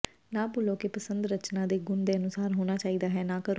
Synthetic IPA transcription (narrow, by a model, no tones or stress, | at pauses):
nãːpʊːloːkepəsənd̪ɾət͡ʃnãːd̪eːɡʊnd̪eːənʊsaːɾɦoːñaːt͡ʃaːiːd̪aːɦɛːnãːkəɾoː